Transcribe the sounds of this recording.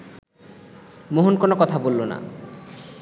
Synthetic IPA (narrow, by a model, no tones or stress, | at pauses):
moɦonkonokɔt̪ʰabolːona̰